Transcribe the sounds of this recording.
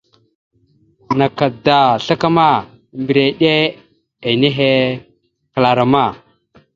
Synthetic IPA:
na˨ka˨da˨ɬa˦ka˦ma˦ | mbi˨ɾe˨ɗe˦ | e˨ne˦ɦe˦ | kla˨ɾa˨ma˦˨

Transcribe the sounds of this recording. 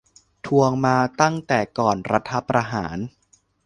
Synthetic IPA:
t̪ʰu˧əŋmaː˧t̪a˥˩ŋt̪ɛː˨˩kɔː˨˩nɾa˧t̪ʰa˦˥pɾa˧ɦa̰ː˩˦n

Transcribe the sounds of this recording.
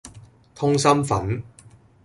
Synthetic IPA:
t̪ʰʊ˥ŋsɐ˥mfɐ˨˥n

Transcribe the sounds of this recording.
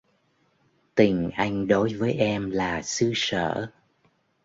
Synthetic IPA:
t̪ï˨˩ŋ̟ʔa˧jŋ̟ɗo˨˦jvəː˨˦jʔɛ˧mlaː˨˩sɨ˧sə̰ː˧˩˨

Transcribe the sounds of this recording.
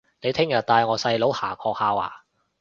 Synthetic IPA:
ne˨˧jt̪ʰɪ˥ŋjɐ˨˩t̪aː˧jŋɔː˨˧sɐ˧jlo˨˥whaː˨˩kʰɔː˧k̚haː˧wa̰ː˨˩

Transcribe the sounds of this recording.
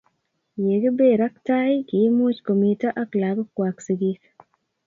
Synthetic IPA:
je˨ɡe˦be˦ɾa˦kta˦jkɪ˨˦mu˦t͡ʃko˨mi˨ta˦ʔa˦kla˨ɡkwaksi˨ɡi˦k

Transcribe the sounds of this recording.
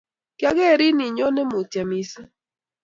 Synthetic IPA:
ka˦ɡɛ˦˨ɾi˦ni˨ɲɔ˦nɛ˦mo˨tja˨mi˨sa˦

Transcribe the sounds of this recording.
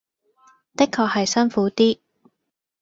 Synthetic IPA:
t̪ɪ˥kʰːɔː˧k̚hɐ˨jsɐ˥nfuː˨˥t̪iː˥

